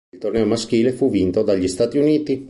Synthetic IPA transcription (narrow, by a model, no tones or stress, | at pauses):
lt̪ornɛːomask̟iːlefuvint̪od̪aʎːist̪aːt̪iuniːt̪i